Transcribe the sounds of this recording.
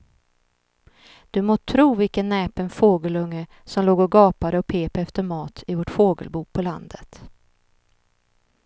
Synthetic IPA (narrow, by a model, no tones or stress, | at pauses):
d̪̥ɵmoːt̪ʰɾuːvɪlkənːɛːpɛnfoːɡəlɵŋːə | sɔmloːɡɔɡɑːpad̪əɔpʰeːpəɛft̪əɾmɑːt̪ʰɪvoʈfoːɡə̰lbuːpʰɔla̰nd̪ət̪